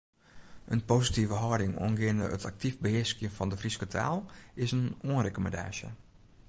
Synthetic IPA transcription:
ʔənpoːsitivəɦɔdɪŋo̰ənɡɪəndə̰ə̰tʰak̚tifbəhɪəskjəfɔndəfriskətʰa̰lˠɪsənoənrekəməda̰ːʃjə̰

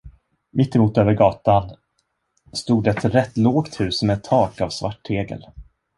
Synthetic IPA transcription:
mɪt̪ːɛmuːt̪øːvəɾɡɑːt̪an | st̪uːd̪ɛt̪ɾɛt̪ːloːɡt̪hʉ̟ːsmɛt̪ʰːɑːkavsvaʈːʰeːɡə̰l

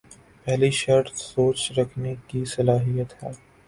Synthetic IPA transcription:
pɛɦliʃɐɾʈsoːt͡ʃɾɐkʰnekisɐlaːɦijət̪ɦɛː

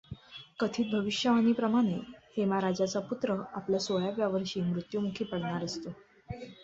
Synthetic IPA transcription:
kət̪ʰiːt̪̚bʱəʋiɕjəʋaniːpɾəmaɽ̃ehemaɾad͡ʑat͡saput̪ɾəapljasojabjaʋəɾɕiːmɾut̪jumukʰiːpəɽɳaɾəst̪o

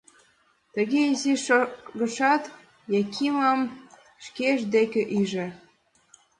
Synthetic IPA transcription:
t̪əɣeiziʃɣə̆ʃɑt̪ | jɑkʰimɑm | ʃkeʃd̪ekĕʔiʒĕ

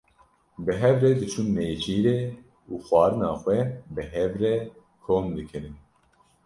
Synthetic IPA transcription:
bɨɦɛvred̪ɨt͡ʃʰunmeːt͡ʃʰiːɾeː | uːxʷɑːɾɨnɑːxʷwɛbɨɦɛvrɛ | kʰoːmd̪ɨkʰɨɾɨn

